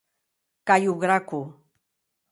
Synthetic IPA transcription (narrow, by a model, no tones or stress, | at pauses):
kajoɢɾakʊ